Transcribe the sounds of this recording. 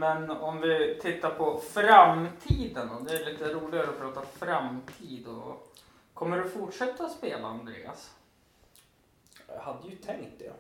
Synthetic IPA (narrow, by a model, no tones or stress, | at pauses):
mɛnɔmvɪt̪ʰɪt̪ːaɾpʰɔfɾamt̪ʰiːd̪ənɔd̪ɛːliːt̪əɾuːlɪɡaɾəɔpʰɾɑːt̪afɾamt̪ʰiːd̪ɔ̰ | kʰɔmːəɖɵfʊʈʂɛt̪ːaɔspeːlaand̪ɾḛːa̰s | had̪ːəjʉt̪ʰɛŋt̪̚d̪ɛ̰